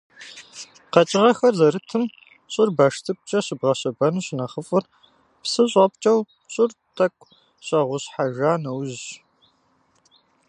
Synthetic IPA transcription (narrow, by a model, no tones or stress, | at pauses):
qɐt͡ʃʼɪʁɐxɐrzɐɾɨtʰɨm | ɕʼɪrbaʂtʰɨkʷʼt͡ʃʼɐɕɨbʁɐɕɐbɐnuɕnɐχəfʼɨr | psɨɕʼɐp̚t͡ʃʼɐw | ɕʼɪrtʰɐkʷʼ | ɕʼɐʁʷʊɕħaʒaːnɐwʑʒ